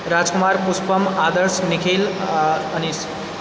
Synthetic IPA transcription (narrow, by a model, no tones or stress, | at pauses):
ɾad͡zkumaɾpuspəmad̪əɾsnikʰelənis